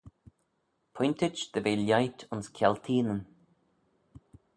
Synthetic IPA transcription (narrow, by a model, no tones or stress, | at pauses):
pʰɔjnt̪ɪd͡ʒðəveːljajtʰɔnskʰjɛlt̪ʰiːnən